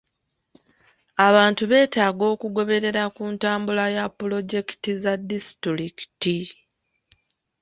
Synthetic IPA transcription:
aβaːntuβe̞ːtaːɡo̞ːkuɡo̞βe̞ɾe̞ɾakuntaːmbulajapːulo̞ɟe̞ki̥tizadisi̥tɾiki̥ti

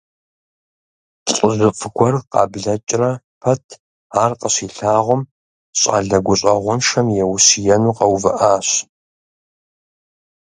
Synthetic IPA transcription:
ɕʼʊzɨfʼɡʷɔrqɑ̰ːbɮɐt͡ʃʼrɐ | pʰɐtʰ | aːrqəɕiːɬaːʁʷʊm | ɕʼa̰ːɮɐɡʷʊɕʼɐʁʷʊnʃɐmjɛwʊsijɛnuːqɐwvɨ̰ʔaːɕ

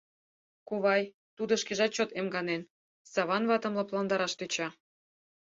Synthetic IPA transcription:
kuβɑj | t̪ud̪ɤ̆ʃkeʒɑt͡ɕot̪emɡɑnen | sɑβɑnβɑt̪ə̆mlɤplɑnd̪ɑɾɑʃt̪øt͡ɕɑ

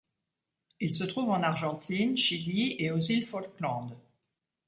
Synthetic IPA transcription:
ilsət̪χuvɑ̃naʁʒɑ̃t̪ʰinʃilieozilfɔlklɑ̃d̪

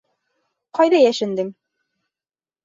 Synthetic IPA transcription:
qɒjðɑjæʃɘ̆nd̪ɘm

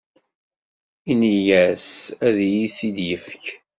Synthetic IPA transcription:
inijæsæðjiθid̪jəfk

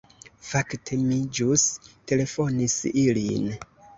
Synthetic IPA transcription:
faktʰe̞mid͡ʒuste̞le̞fo̞nisilḭn

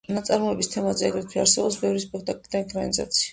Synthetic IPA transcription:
nat̪sʼaɾmɔɛbist̪ʰɛmazɛaɡɾɛt̪ʰwiaɾsɛbɔpsbɛvɾispʼɛkʰt̪ʼakʼlid̪aikʰʼɾaniza̰t̪sʰi̥a

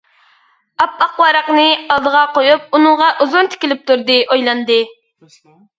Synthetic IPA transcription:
ɑpːɑqwɑɾɑqnɨɑlˠd̪əʁɑqojup̚unɨŋʁɑʔuzunt̪ʰɪ̥kʲilɪp̚t̪uɾd̪ɨʔojlˠɑnd̪ɨ

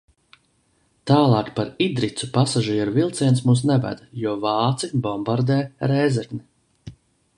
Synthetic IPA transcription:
t̪aːlˠɑːkpaɾid̪ɾit̪supasaʒiɛɾuvilˠt̪siɛns̬muːs̬nɛvæ̰d̪̥juɔvɑːt̪sibɔmbaɾd̪ɛːjɾɛːzɛɾkni

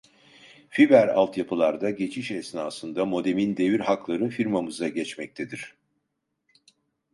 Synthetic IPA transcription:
fibæɾa̰lˠt̪japʰɯlˠaɾd̪aɟe̞t͡ʃʰiʃɛsnaːsɯnd̪amo̞d̪e̞mind̪e̞viɾɦaklˠaɾɯnfiɾmamɯzaɟɛt͡ʃmɛc̚t̪ʰed̪iɾ̝̥

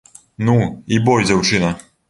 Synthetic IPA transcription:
nuibɔjʲd͡zʲawt͡ʂɨnɐ

